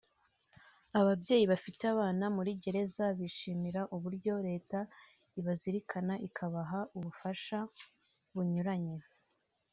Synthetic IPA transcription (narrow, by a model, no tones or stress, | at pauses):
aβabɟe̞ːjiβafiteaβaːnamuɾiɟe̞ɾe̞zaβiʃiːmiɾaʔuβuɾɟo̞ɾe̞ːta | iβaziɾikʰanaʔikʰaβaɦauβufaʃa | βuɲuɾaɲe